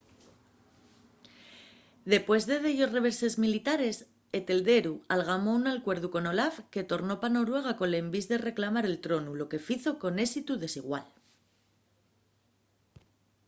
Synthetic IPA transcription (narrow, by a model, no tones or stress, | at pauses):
d̪e̞pwe̞zðe̞ðe̞ʎo̞sre̞βe̞ɾse̞zmilit̪aɾe̞s | et̪e̞ld̪e̞ɾualɣ̞amo̞unalkwe̞ɾðuko̞no̞lafke̞t̪o̞ɾno̞pano̞ɾwe̞ɣ̞ako̞nle̞mbizðe̞re̞klamaɾe̞lt̪ɾo̞nulo̞ke̞fiθo̞ko̞ne̞sit̪uðe̞siɣwal